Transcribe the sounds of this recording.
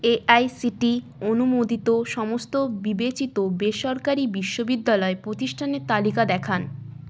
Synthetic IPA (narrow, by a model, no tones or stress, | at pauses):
eʔajsiʈi | onumod̪it̪oʃɔmost̪obibet͡ɕit̪obeʃɔɾkaɾibiʃːobid̪ːalɔepɾot̪iʃʈʰaneɾt̪alikad̪ɛkʰan